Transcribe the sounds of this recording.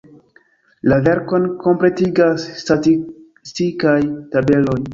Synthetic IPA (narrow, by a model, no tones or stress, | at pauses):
lave̞ɾko̞nkʰo̞mple̞tiɡasːtati | stikajtabe̞lo̞j